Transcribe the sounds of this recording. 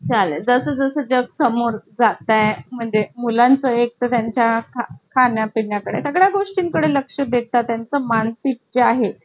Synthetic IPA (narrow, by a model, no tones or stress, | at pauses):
t͡ɕaləd͡zəsəːd͡zəsəːd͡ʑəɡsəmoɾd͡zat̪ajm̤əɳd͡zemulant͡səek̚t̪ət̪jaɲt͡ɕjakakʰanjapiɳjakəɽḛsəɡɽjaɡoʂʈiŋkəɽeləkʂəbʱet̪at̪jant͡səmansiʈ̚t͡ɕeaɦe